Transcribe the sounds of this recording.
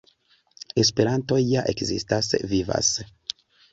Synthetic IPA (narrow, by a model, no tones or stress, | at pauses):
e̞s̬pe̞ɾanto̞jːaʔekzḭstasviva̰s